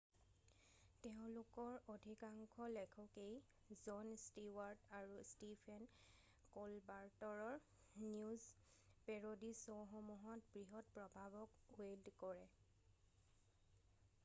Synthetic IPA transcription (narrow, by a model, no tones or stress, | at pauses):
teʊ̃lʊkɔɹodʱikaŋkʰɔlɛkʰɔkej | zɔnstiwaɹdaɹustipʰɛn | kolbaɹtɔɹɔɹ | njuz | pɛɹodisɔwɦɔmuɦɔtbɹiɦɔtpɹɔbʱabɔkweldkɔɹɛ